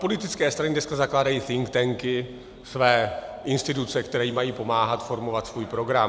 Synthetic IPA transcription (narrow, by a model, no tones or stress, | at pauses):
po̞lɪt̪ɪt͡skɛːst̪ɾanɪdnɛskazaklaːdajiːθɪŋkt̪ɛŋkɪ | svɛːʔɪnst̪ɪt̪ut͡sɛkt̪ɛɾɛjimajiːpo̞maːɦat̪fo̞ɾmo̞vat̪svuːjpɾo̞ɡɾam